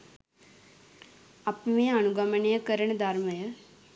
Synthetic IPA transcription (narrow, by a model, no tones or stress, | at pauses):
ɐpmejɐɐnuɡɐmɐɳejɐkəɾɐɳɐd̪ʱɐɾmɐjɐ